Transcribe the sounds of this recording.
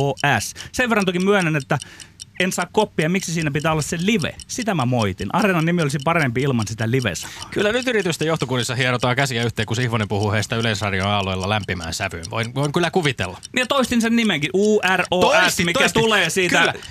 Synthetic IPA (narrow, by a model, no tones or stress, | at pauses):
oːʔæsseʋerːɑnt̪okimmyønenet̪ːæensɑːkkopːiɑmiksisiːnæpit̪æːolːɑsseliʋḛsit̪æmæmoit̪inɑrenɑnnimiolʲsipɑrempiilmɑnsit̪æliʋḛsɑ̥o̥kylːænyt̪yrit̪yst̪ejoht̪okunːisːɑhiɑɾot̪ɑːkæsijɑyht̪eːkuseihʋonempuhuheːsi̥t̪æylensɑrjoɑːloilːɑlæmpimæ̰ːnsæʋyːnʋo̰inʋoiŋkylːækuʋit̪ḛlːɑmiet̪oist̪insennimeŋkiʔuːæroæsmikːæt̪uleːsiːtk̪æ